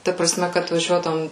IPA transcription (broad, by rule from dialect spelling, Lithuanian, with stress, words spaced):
ˈtɐ prɐˈsʲmʲɛ kɐt ʋɐˈʒʲuɔdɐʋoːm